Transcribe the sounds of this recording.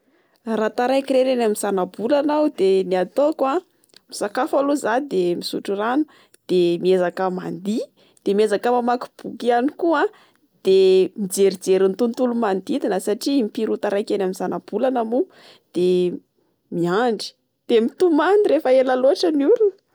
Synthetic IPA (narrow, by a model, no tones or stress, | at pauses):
rat̪aɾajkiɾeɾenaminz̥anabulanawd̪eniat̪okwa | misakafaluzad̪emisuʈ͡ʂuranu̥ | d̪̥emiezakəma̰nd̪i | d̪̥emiezakəmamaku̥b̥ukianikua | d̪̥emid͡zeɾid͡zeɾint̪unt̪ulumand̪it̪inəsaʈ͡ʂimipiɾut̪aɾajkenamizanab̥ulanamu | d̪̥e | miaɳɖ͡ʐi̥ | d̪̥emit̪umaniɾefəelaloaʈ͡ʂənuɾuni̥